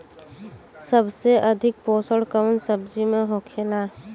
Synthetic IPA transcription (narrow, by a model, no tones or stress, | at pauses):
səbseʔəd̪ʱɪk̚poːsəɽkəwnsəbd͡ʒimeɦokʰela